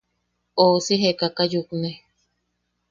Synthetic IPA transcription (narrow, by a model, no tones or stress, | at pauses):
osiɦekakajukne